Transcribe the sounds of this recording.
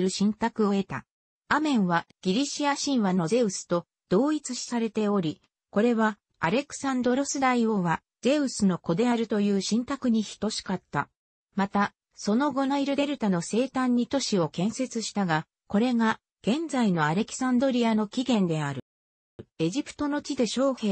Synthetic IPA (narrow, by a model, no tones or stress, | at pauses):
ɾɯ̟ɕĩnt̪akɯ̟o̞e̞t̪a | amẽ̞ɰ̃βaɡ̥ʲiɾʲiɕiaɕĩɰ̃βano̞ze̞ɯ̟sɨ̥t̪o̞ | d̪̥o̞ːit͡sɨɕi̥saɾe̞t̪e̞o̞ɾʲi | ko̞ɾe̞βa | aɾe̞kɯ̟̥sãnd̪o̞ɾo̞sɨd̪aio̞βa | ze̞ɯ̟sɨno̞ko̞d̪e̞aɾɯ̟t̪o̞jɯ̟ːɕĩnt̪akɯ̟ɲ̟içi̥t̪o̞ɕi̥kat̪ːa̰ | mat̪a | so̞no̞ɡo̞naiɾɯ̟d̪e̞ɾɯ̟t̪ano̞se̞ːt̪ãɲ̟ːit̪o̞ɕio̞kẽ̞ɰ̃se̞t͡sɨɕi̥t̪aɡa | ko̞ɾe̞ɡa | ɡ̥ẽ̞nd͡zaino̞aɾe̞kʲi̥sãnd̪o̞ɾʲiano̞kʲiɡẽ̞nd̪e̞aɾɯ̟ | e̞ʑipɯ̟̥t̪o̞no̞t͡ɕid̪e̞ɕo̞ːhe